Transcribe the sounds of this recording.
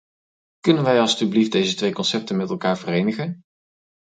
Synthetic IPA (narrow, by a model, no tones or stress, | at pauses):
kɵnənʋɛjɑlˠstyblifdejzətʋejkɔnsɛp̚tənmɛtɛlˠkaːɹvərejnəχən